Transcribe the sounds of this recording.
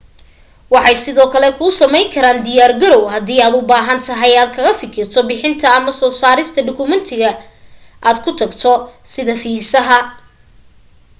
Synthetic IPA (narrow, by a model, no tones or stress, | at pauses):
wɑħɑjsɪðɔːkʰɐlɛkʰʊsɐmɛjŋkʰɐɾaːnd̪ɪjaːrɡɐɾɔwɦɐðiːaːd̪ʊbaːɦɐnt̪ʰɐɦɐjaːd̪kʰɐɣɐfɪkʰɪrt̪ʰɔbɪħɪnt̪ʰɐɐmɐsɔːsaːɾɪst̪ʰɐɖʊkʰʊmɛnt̪ʰɪɣɐ | ʔaːd̪kʰʊt̪ʰɐɡt̪ʰɔsɪðɐfiːsɐɦɐ